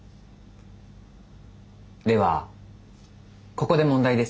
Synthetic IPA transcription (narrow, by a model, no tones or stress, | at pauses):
d̪e̞βa | ko̞ko̞d̪e̞mõnd̪aid̪e̞s